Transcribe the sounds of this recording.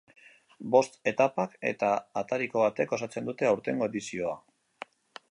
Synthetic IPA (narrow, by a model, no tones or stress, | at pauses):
bo̞st̪e̞t̪apake̞̰t̪aːt̪aɾiko̞β̞at̪e̞ko̞sat͡se̞nd̪ut̪e̞awɾt̪e̞ŋɡo̞e̞ðisio̞a